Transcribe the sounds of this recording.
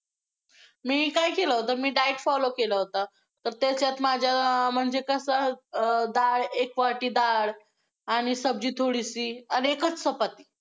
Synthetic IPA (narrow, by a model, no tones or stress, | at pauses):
miːkajkeləɦot̪amiːɖajʈfɔlokeləɦot̪a | t̪əɾt̪at͡sjat̪mad͡ʑʱjam̤əɳd͡zekəsəd̪aɽekʋaʈiːd̪aɽ | aɽ̃isəbd͡ʑiːt̪ʰoɽisianiekət͡ssəpət̪i̥ː